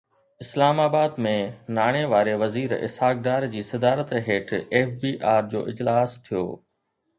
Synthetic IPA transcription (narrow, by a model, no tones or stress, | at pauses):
ɪslaːmaːbaːd̪mẽnaːɽ̃eʋaːɾeʋɐziːɾɪ̰saːɡɖaːɾd͡ʑiːsɐd̪aːɾət̪ɦeːʈʰeːfbiːʔaːɾd͡ʑo̰ːʔɪd͡ʑlaːst̪ʰijo̰ː